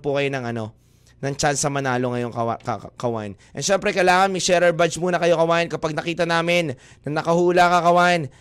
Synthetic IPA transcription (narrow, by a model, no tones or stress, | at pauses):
pʊkɐjonɐŋʔɐno̞ | nɐŋt͡ʃansɐmɐnaːlo̞ŋɐjo̞ŋkɐa̰kɐkɐwa̰nʔɐnʃɛmpɾɛkɐlaːŋɐnmɪʃɛɾɐɹbat͡ʃmuːnɐkɐjo̞kɐwankɐpaɡ̚nɐkiːt̪ɐnaːmɪnː | ɐnɐkɐhuːlakɐkɐwan